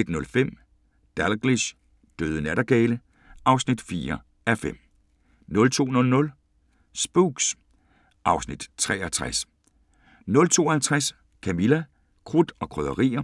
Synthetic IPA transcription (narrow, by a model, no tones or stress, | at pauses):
ed̥nɔ̽lfem̰ | d̥ælɡ̥ʁiɕ | d̥øːð̞ˠənæɾ̥ɐɡ̥ɛːlə | ʔɑ̈ʊsnid̥fiːɐ | æfem̰ | nɔ̽lt͡sʰo̝̰ːnɔ̽lnɔ̽l | sb̥uɡ̥s | ʔɑ̈ʊsnid̥t͡sʰʁɛ̰ːʔɐt͡sʰʁas | nɔ̽lt͡sʰo̝̰ːɐhælt͡sʰʁas | kʰæmilæ | kʰʁud̥ɒ̽kʰʁœðˠɐʁḭːɐ